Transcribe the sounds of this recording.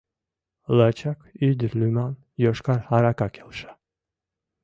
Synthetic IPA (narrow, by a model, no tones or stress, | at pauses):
lat͡ʃʰakʰid̪ɾlʲyman | jɔʃkʰaɾhaɾakakʰelʃḁ